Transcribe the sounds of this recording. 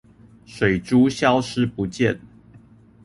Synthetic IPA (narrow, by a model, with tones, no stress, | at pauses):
ʂwe˨˩ɪʈ͡ʂu˦ɕjɑ˦ʊʂɻ̩˦pu˨˦t͡ɕjɛ̰˥˨n